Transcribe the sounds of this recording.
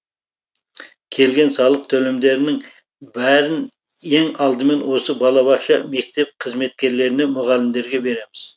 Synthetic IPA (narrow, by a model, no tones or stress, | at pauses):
kʲʰe̞lɡʲe̞nsɑlˠəq̚t̪ʰɵlemd̪e̞ɾɪnɪŋ | bæɾɪn | e̞ŋɑlˠd̪əme̞nwo̞səbɑlˠɑβɑsʃɑme̞k̚t̪e̞p̚qʰəzme̞t̪̚kʲe̞ɾle̞ɾɪne̞mʊʁɑlɪmd̪e̞ɾɡʲe̞be̞ɾe̞mɪz̥